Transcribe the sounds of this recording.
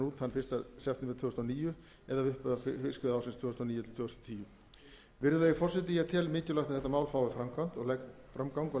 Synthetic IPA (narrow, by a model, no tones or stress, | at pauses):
nuːt̪hanːfɪst̪asɛft̪ɪmɪɾt̪ʰvʏːst̪ɔniːjʏ | ɛðavʏhpʏðafɪskʏðawsɪnst̪vʏːst̪ɔniːjʏt̪ʰɪlt̪ʰʏːst̪ːt̪ʰiːjʏ | vɪɾðʏleːjɪfɔr̥sɛt̪ijat̪ʰɛːlmɪːcʏlaxt̪aðɛht̪ːamaːwlfaːwɪfɾamkʰan̥t̪ɔɣlɛ | fɾamkawŋkɔ